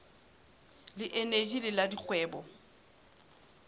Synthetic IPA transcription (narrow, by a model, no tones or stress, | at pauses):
lɪʔened͡ʒʼilɪladik͡xʼwɛːbɔ